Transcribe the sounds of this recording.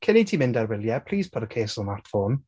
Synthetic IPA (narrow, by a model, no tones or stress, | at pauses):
kʰɪnitʰiːmɪ̃ndarwɪlˠjɛpʰl̥iːz̥pʰɔdəkʰeːsɔlˠmatfoːn